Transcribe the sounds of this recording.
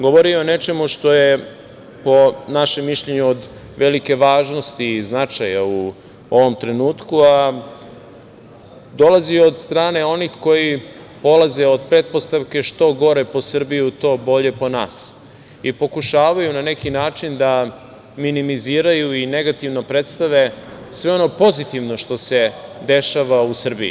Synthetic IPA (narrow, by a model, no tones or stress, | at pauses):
ɡoʋoɾione̞t͡ʃe̞muʃt̪o̞je | po̞naʃemːiʃʎe̞ɲuod̪ | ʋe̞like̞ʋaːʒno̞st̪iːznat͡ʂajau | o̞ʋo̞mt̪ɾe̞nuːt̪kua | d̪o̞laziod̪st̪ɾaːne̞o̞nixko̞ji | po̞lazeo̞d̪̚pɾet̪̚po̞st̪aʋke̞ʃt̪o̞ɡo̞ɾe̞po̞sr̩biut̪o̞ːbo̞ʎe̞po̞naːs | ipo̞kuʃaːʋajunane̞kinaːt͡ʂind̪a | minimiziːɾajuine̞ɡat̪iʋno̞pɾet̪st̪aʋe̞sʋe̞o̞no̞po̞zit̪iʋno̞ʃt̪o̞se̞d̪e̞ʃaʋausr̩biḭ